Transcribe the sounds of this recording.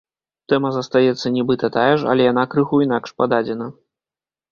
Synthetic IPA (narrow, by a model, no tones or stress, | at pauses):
t̪ɛmɐzɐst̪ajɛt̪sːɐnʲɛbɨt̪ɐt̪ajɛʂɐ̰lʲɛjan̪akɾɨxuin̪akʂpad̪ad͡zʲɛnɐ